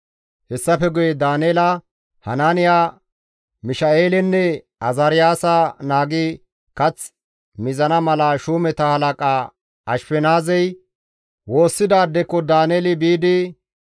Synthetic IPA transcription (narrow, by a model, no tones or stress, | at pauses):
hɛsːɐfɛɡʊjɛd̪aːneːlɐ | hɐnaːnɪjaː | mɪʃɐeːlɛnːɛ | ɐzɐɾɪjaːsɐnaːɡɪ | kɐt͡s | mɪzɐnɐmɐlɐʃuːmɛt̪ɐhɐlɐkʼaː | ɐʃpɛnaːzɛj | wo̞ːsːɪd̪aːd̪ːɛkːɔd̪aːneːlɪbiːd̪ɪ